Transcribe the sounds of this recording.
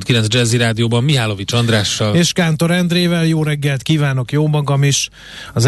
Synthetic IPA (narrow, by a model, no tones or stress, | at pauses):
t̪kilɛnd͡ʒɛziɾaːd̪ijoːbɒmːiɦaːlo̞vit͡ʃɒnd̪raːʃːɒleːʃkaːnt̪o̞ɾɛnd̪reːvɛljoːɾɛɡːɛlt̪kiːvaːno̞kjoːmɒɡɒmiʃ | ɒz